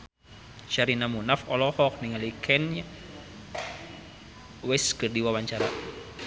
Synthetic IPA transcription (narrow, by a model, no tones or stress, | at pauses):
ʃaɾinamunafɔlɔhɔk̚niŋalikʰɛna | wɛskɨrdiwawaɲt͡ʃaɾa̰